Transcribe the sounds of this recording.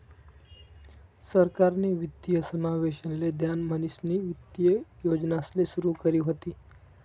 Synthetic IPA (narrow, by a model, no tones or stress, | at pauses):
səɾkaɾniːʋid̪jəsəmaʋeɕənled̪ʱjanmənisniːʋit̪jəjod͡ʑnaslesuɾuːkəɾiːɦot̪iː